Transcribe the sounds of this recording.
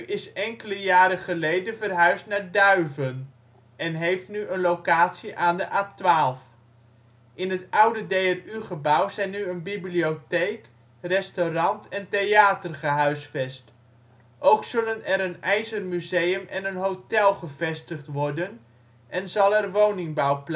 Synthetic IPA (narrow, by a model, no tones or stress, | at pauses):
yʔɪsɛŋkələjaːɾəχəlejdənvərɦœɥstnaːɹdœɥvən | ʔɛnɦejftnyʔənlowkaːtsiʔaːndəʔap̚tʋaːlˠf | ʔɪnɦətʌwdədejɛryχəbawzɛjnːyənbibliotejk | rɛstorɑntɛnteaːtərχəɦœɥsfɛst | ʔowksɵlənɛɾənɛjzərmyzejəmʔɛnənɦowtɛlˠχəv̥ɛstəχtʋɔɹdən | ʔɛnzɑlˠɛrʋownɪŋbawpl